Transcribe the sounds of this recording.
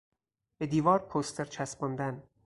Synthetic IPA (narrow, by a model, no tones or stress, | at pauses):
b̥e̞d̪iːvɒːɾpʰost̪ʰeɾt͡ʃʰæsbond̪æn